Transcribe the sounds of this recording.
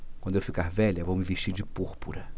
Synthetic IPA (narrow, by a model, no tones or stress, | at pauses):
kw̃nd̪ʊewfikaɾvɛʎɐewvowmɪveʃt͡ʃiɾd͡ʒɪpuɾpuɾɐ